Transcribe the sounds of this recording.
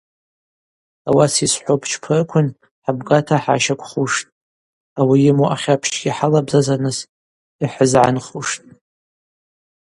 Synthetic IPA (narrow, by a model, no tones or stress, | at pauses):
awasisħʷopʰt͡ʃʰpʰɨrkʷʰʊn | ħabɡatʰaħa̰ʃakʷʰʼχuʂtʼ | awijɪmuʔaχʲapʰʃt͡ʃʰɡ̥ʲiħalabzazanɨs | iħəzʕa̰nχuʂtʼ